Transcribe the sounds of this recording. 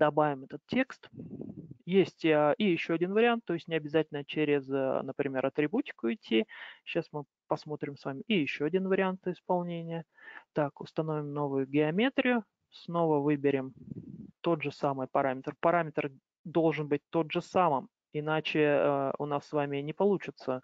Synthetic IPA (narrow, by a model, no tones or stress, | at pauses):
d̪̥ɐbavʲɪmɛt̪ət̪tʲːe̞kst̪ | jesʲtʲʔɪjɪɕːoɐdʲin̪vəɾʲɪant̪ːo̞jɪsʲtʲnʲɪɐbʲɪzatʲɪlʲnət͡ɕeɾʲɪznəpɾʲɪmʲeɾɐt̪ɾʲɪbutʲɪ̥kʊɪtʲʰːiɕːasmɨ | pɐsmo̞t̪ɾʲɪmsvamʲɪʔɪjɪɕːoɐdʲinvəɾʲɪant̪ɪspɐlˠnʲenʲɪjə | t̪akʊst̪ɐno̞vʲɪmno̞vʊjʊɡʲɪɐmʲe̞t̪ɾʲɪjʊ | sno̞vəvɨbʲɪɾʲɪmt̪o̞d̪ʐɨsamɨjpɐɾamʲɪt̪rpɐɾamʲɪt̪r | d̪o̞lˠʐɨnbɨt̚ʲt̪o̞d̪ʐɨsamɨm | ɪnat͡ɕɪʊ̰nasːvamʲɪnʲɪpɐlˠut͡ɕɪt̪sə